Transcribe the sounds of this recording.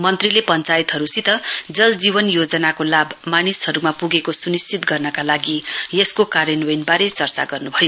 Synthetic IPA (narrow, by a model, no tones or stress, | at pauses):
mʌnt̪rilepʌnt͡sajit̪ɦʌɾusit̪ʌd͡zʌld͡zibʌnjod͡zʌnakolabmanishʌɾumapuɡekosunist͡sit̪ɡʌrnʌkalaɡijeskokaɾjenwenbaɾet͡sʌrt͡sa̰ɡʌrnubʱʌjo